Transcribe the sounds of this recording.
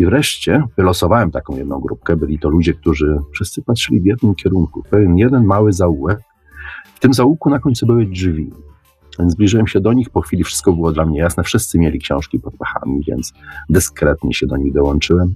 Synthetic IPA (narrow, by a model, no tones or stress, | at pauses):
ivɾɛʂt͡ɕɛvɘlɔsɔvawɛmt̪akɔ̃w̃jɛd̪nɔ̃w̃ɡɾup̚kɛbɘlʲit̪ɔlud͡ʑɛk̚t̪uʐɘfʂɘst̪sɘpat̪ʂɘlʲivjɛd̪nɘmkʲɛɾuŋkupɛvʲjɛnjɛd̪ɛnmawɘzauwɛk | ft̪ɘmzaukunakɔɲt̪subɘwɘd͡ʐvʲi̥ | jɛnzblʲiʐɘwɛmɕɛd̪ɔɲixpɔxfʲilʲifʂɘ̥st̪̚kɔbɘwɔd̪lamɲɛjasnɛfʂɘst̪sɘmʲjelʲikɕɔ̰̃w̃ʂkʲipɔt̪̚paxa̰mʲivʲjɛ̰nt̪sd̪ɘskɾɛt̪ɲɛ̰ɕɛd̪ɔɲiɣd̪ɔwɔnt͡ʂɘwɛm